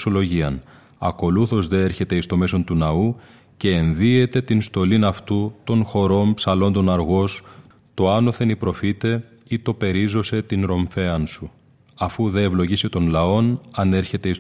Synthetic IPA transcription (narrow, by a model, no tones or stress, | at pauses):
olo̞ʝiɐn | ɐ̰ko̞luθo̞zðe̞e̞ɾçe̞t̪e̞ist̪o̞me̞so̞nt̪unɐu | ce̞ːnðie̞t̪e̞t̪inst̪o̞linɐft̪ut̪o̞nxo̞ɾo̞mpsɐlo̞nd̪o̞nɐɾɣo̞s | t̪o̞ɐno̞θe̞nipɾo̞fit̪e̞ | it̪o̞pe̞ɾizo̞se̞t̪inɾo̞ɱfe̞ɐnsu | ɐfuðe̞ːvlo̞ʝisit̪o̞nlɐo̞nɐne̞ɾçe̞t̪e̞is